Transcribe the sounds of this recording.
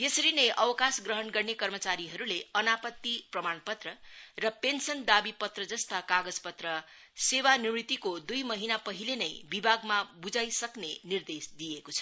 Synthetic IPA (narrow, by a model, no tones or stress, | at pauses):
jesʌɾinʌjʔʌwʌkasɡrʌɦʌnɡʌrnekʌrmʌt͡saɾiɦʌɾuleʌnapʌt̪ːiprʌmanpʌt̪rʌrʌpensʌnd̪abipʌt̪rʌd͡zʌst̪akaɡʌd͡zpʌt̪rʌ | sewanimnit̪ikod̪ujmʌɦinapʌɦilenʌjbibʱaɡmabud͡zajsʌknenird̪esd̪ijekot͡sʰʌ̥